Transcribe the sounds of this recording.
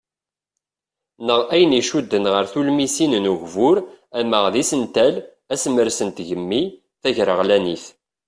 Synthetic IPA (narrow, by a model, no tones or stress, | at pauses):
nəʁæjəniʃud̪ːənʁəɾθulmisinnuʝvʊɾæməʁðisənt̪æl | æsməɾsənt̪ʝəmːi | θæʝɾəʁlæniθ